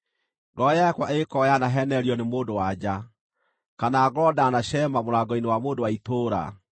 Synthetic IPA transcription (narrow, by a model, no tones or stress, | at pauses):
ɡɔjakwaekɔjanaɦɛnɛɾiɔnemoːdowad͡ʑa | kanaɡɔdanaɕɛmamoɾaɡɔinewamoːndowaitoːɾa̰